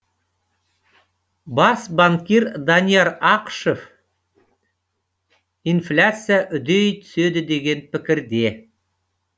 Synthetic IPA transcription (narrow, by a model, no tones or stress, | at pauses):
bɑsbaŋkʲeɾd̪anʲijaɾɑqʃef | inflʲat̪sɨjaʔʏd̪ejt̪ʰʏ̥sed̪ɪd̪e̞ɡʲe̞npɪkʲɪɾd̪e̞